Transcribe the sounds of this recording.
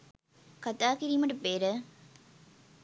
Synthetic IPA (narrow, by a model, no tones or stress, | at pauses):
kɐt̪aːkiɾijmɐʈɐpeːɾə